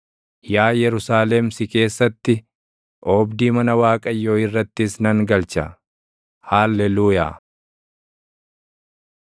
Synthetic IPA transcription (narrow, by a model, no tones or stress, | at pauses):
jaːjɛɾʊsaːlɛmsɪke̞ːsːɐt̪ːɪ | ʔɔːbd̪iːmɐnɐwaːkʼɐjːoːɪrːɐt̪ːɪsnɐŋɡɐlt͡ʃɐ̰ | haːlːɛluːja̰ː